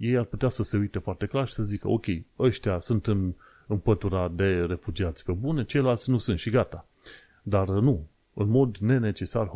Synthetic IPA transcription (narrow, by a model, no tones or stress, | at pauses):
je̞jarput̪easəse̞ujt̪e̞foart̪e̞klarʃi̥səzikəo̞̰kʲe̞jəʃt̪easunt̪ɨn | ɨmpət̪uɾad̪e̞re̞fud͡ʒiat̪sʲpebunʲet͡ʃe̞jlelalt̪sʲnusunt̪ʃiɡat̪a | d̪arnu | ɨnmo̞d̪ne̞ne̞t͡ʃe̞sar